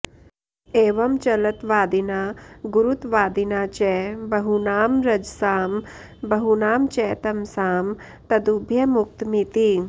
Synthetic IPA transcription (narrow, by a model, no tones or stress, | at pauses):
eːʋɐmt͡ʃɐlɐt̪ʋaːd̪inaːɡuɾut̪ʋaːd̪inaːt͡ʃɛːbɐɦunaːmɾɐd͡ʒsaːm | bɐɦunaːmt͡ʃɛːt̪ɐmsaːm | t̪ɐd̪ubʱjɐmʊk̚t̪mit̪i